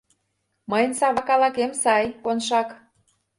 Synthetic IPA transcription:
məjnsɑβɑkɑlɑkemsɑjkonʃɑk

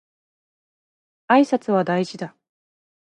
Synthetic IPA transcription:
aisat͡sɨβad̪aiʑid̪a

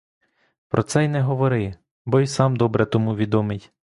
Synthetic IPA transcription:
pɾʔɔt̪sɛjnɛɦɔʋɔɾɪ | bɔjisɑmd̪ɔbɾɛt̪ɔmuʋʲid̪ɔmɪtʲ

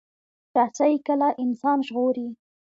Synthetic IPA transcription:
ɾasajkəlaʔɪnsɑnʒɣoɾi

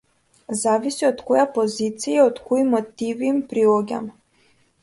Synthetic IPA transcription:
zavisiɔt̪kɔjapɔzit̪sijaɔt̪kɔimɔt̪iviːmpɾilˠɔɡʲa̰m

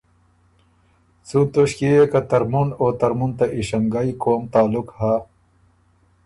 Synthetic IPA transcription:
sut̪oɕkiekat̪ɐɾmunoːt̪ɐɾmunt̪aʔiɕɐŋɡaikoːmt̪aːlukha

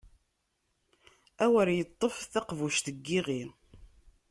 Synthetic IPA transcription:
æwəɾjət̪ˤːofθɑqvuʃt̪əɡːiʁin

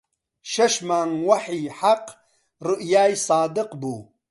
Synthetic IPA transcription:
ʃɐʃmaːŋwaħiħaq | ɾuʔjaːjsaːd̪ɨqbuː

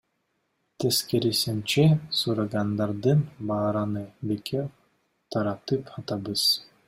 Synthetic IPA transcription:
t̪ʰeskeɾisimt͡ʃesuɾaɡɑnd̪ɑɾd̪ɯnbɑːɾɑnɯbekʰew | t̪ʰɑɾɑt̪ɯpʰɑt̪ɑbɯz̥

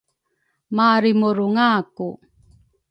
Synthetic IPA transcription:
maːɾimuɾuŋaːku

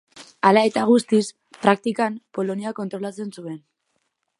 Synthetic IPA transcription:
alae̞t̪aɣ̞ust̪is | pɾak̚t̪ikampo̞lo̞niako̞nt̪ɾo̞lat͡se̞nsue̞n

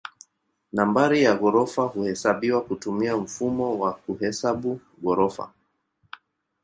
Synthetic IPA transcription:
nambaɾijaɣɔɾɔfahuhɛsaɓiwakutumiam̩fumɔwakuɦɛsaɓu | ɣɔɾɔfa̰

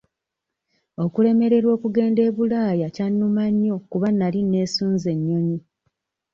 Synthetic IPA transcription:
o̞kule̞me̞ɾe̞ɾwo̞ːkuɡe̞ːnde̞ːβulaːjacanːumaɲːo̞kuβanːaline̞ːsuːnze̞ɲːo̞ɲi

